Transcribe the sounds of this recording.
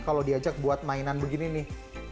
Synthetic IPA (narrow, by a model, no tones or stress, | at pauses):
kalodiad͡ʒak̚buat̪̚mainanbəɡininɪh